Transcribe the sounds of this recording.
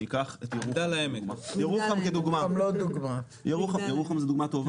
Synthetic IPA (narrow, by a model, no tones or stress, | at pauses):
ikaχet̪jeʁud̪alaemekjeʁuχamked̪uɡmamlod̪uɡma | jeʁuχamjeʁuχamzed̪uɡmat̪o̞v